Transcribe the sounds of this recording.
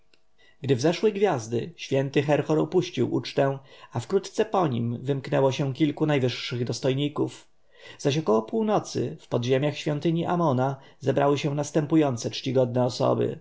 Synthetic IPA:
ɡd̪ɘvzɛʂwɛjɡvʲjazd̪ɘ̰ɕfʲjɛnt̪ɘxɛɾxɔɾɔ̰puɕt͡ɕiwʔṵt͡ʂt̪ɛ̃afkɾut̪t̪sɛpɔɲḭmvɘmknɛwɔɕɛ̃kʲilkunajvɘʂːɘɣd̪ɔst̪ɔjɲikuf | z̥aɕɔkɔwɔpuwnɔt̪sɘ̰fpɔd̪ʑemʲjaxɕfʲjɔnt̪ɘɲiʔamɔna | zɛbɾʔawɘɕɛ̃w̃nast̪ɛmpujɔnt̪sɛt͡ʂt͡ɕiɡɔd̪̚nɛɔsɔ̰bɘ̰

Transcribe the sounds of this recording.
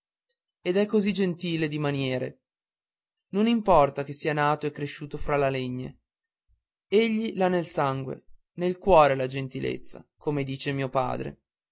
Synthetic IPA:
ed̪ɛkːozid͡ʒent̪iːled̪imanjɛːɾe | nonimpɔrt̪ak̟esːiːanaːt̪oekːɾeʃːuːt̪ofɾalaleɲːḛ | eʎːilanːelsaŋɡwḛ | nelkwɔːɾelad͡ʒent̪ilḛt̪sːa̰komed̪iːt͡ʃemiːopa̰ːd̪ɾḛ

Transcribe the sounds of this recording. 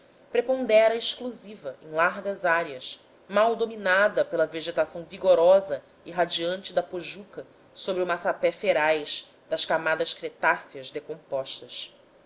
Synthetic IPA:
pɾepõnd̪ɛɾɐeʃkluzivɐḛ̃j̃laɾɡɐzaɾiɐs | mawd̪ominad̪ɐpelɐveʒet̪asɐ̃w̃viɡoɾɔzɐ | iɦad͡ʒiɐ̃nt͡ʃɪd̪ɐpoʒukɐ | sobɾiumasapɛfeɾajʃd̪ɐʃkamad̪ɐʃkɾet̪asiɐzd̪ekõpɔʃt̪ɐʃ

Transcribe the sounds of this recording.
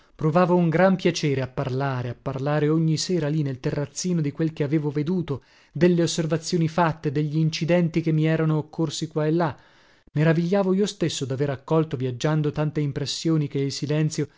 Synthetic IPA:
pɾovaːvouŋɡɾampjat͡ʃɛːɾeapːarlaːɾeapːarlaːɾeoɲːisɛːɾalinːelt̪erːat̪sːiːnod̪ikwelkeaveːvoved̪uːt̪o | d̪elːeosːervat̪sːjoːnifat̪ːed̪eʎːiːnt͡ʃid̪ɛnt̪ikemːiɛːɾanoːkːorsikwaelːa | meɾaviʎːaːvoiːost̪esːod̪aveɾakːɔlt̪ovjad͡ʒːand̪ot̪ant̪eimpɾesːjoːnik̟eilsilɛnt̪sjo

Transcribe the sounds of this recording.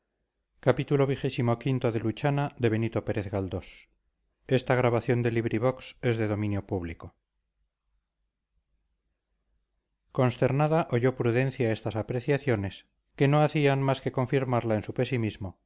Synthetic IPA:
kapit̪ulo̞βixe̞simo̞kint̪o̞ðe̞lut͡ʃanaðe̞βe̞nit̪o̞pe̞ɾe̞θɣald̪o̞s | e̞st̪aɣ̞ɾaβaθjo̞nd̪e̞liβɾiβ̞o̞kse̞zðe̞ðo̞mĩnjo̞puβliko | ko̞nst̪e̞ɾnaðaʔoʝo̞pɾuðẽ̞n̟θjae̞st̪asapɾe̞θjaθjo̞ne̞s | ke̞no̞aθianmaske̞kõ̞ɱfiɾmaɾlaensupe̞simizmo̞

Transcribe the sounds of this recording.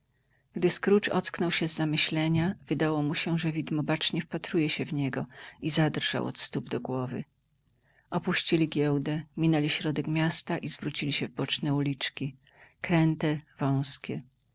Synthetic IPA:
ɡ̥d̪ɘskɾut͡ʂɔ̰t̪sknɔwɕɛzːamɘɕlɛɲavɘd̪awɔmuɕɛʐɛvʲid̪mɔbat͡ʂɲɛfpat̪ɾujɛɕɛvɲɛɡɔizad̪rʐ̥a̰wʔɔ̰t̪st̪ubd̪ɔɡwɔvɘ̰ | ʔɔpuɕt͡ɕilʲiɡʲjɛwd̪ɛmʲinɛlʲiɕɾɔd̪ɛkmʲjast̪aʔizvɾut͡ɕilʲiɕɛvbɔt͡ʂnɛulʲit͡ʂkʲi | kɾɛnt̪ɛv̥ɔ̃w̃skʲɛ

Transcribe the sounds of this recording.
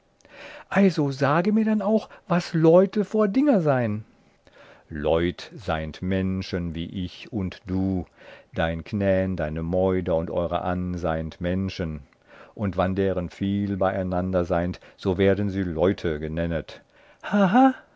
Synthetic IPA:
ʔalzozaːɡəmiːɐdanaʊxv̥aslɔʏtəfoːɐdɪŋɐzaɪən | lɔʏtz̥aɪntmɛnʃənviːʔɪçʊntd̥uːd̥aɪnkʰnɛːəndaɪnəmɔʏdɐʊntʔɔ̰ʏʁə̰ʔanzaɪəntmɛnʃən | ʔʊntv̥andeːʁənfiːlbaɪaɪnandɐzaɪntz̥oːveːɐdn̩ziːlɔʏtʰəɡənɛnət | haɦa

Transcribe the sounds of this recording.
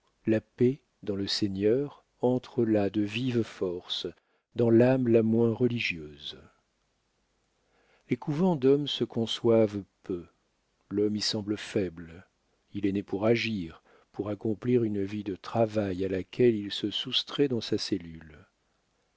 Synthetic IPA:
lape | d̪ɑ̃ləsɛɲœʁ | ɑ̃t̪χəlad̪əvivfɔʁs | d̪ɑ̃lamlamwɛ̃ʁəliʒjøːz | lekuvɑ̃d̪ɔmsəkɔ̃swavpø | lɔmisɑ̃bləfɛbl | ilɛnepuʁaʒiʁ | puʁakɔ̃pliʁynvid̪ət̪χavajalakʰʲɛlilsəsust̪χɛd̪ɑ̃sasɛlyl

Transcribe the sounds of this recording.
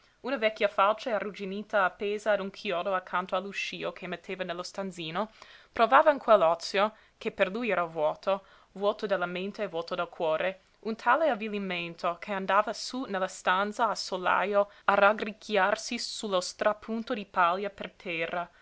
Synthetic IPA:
unavɛkʲːjafalt͡ʃaarud͡ʒiniːt̪aːpːeːzaːd̪uŋkʰjɔːd̪oakʰːant̪oalːuʃiːokʰemːet̪ʰːeːvanelːost̪anziːnopɾovaːvaiŋkʰwelːɔt̪sːjo | kʰeperlujɛːɾavwɔːt̪ʰo | vwɔːt̪od̪elːament̪eːvwɔːt̪od̪elkʰwɔːɾe | unt̪ʰaːleavːiliment̪ʰokʰeand̪aːvasunelːast̪ant̪saasola̰ːjo | araɡrikʰːjarsisulːost̪ɾapʰunt̪od̪ipaljapert̪ʰɛrːa

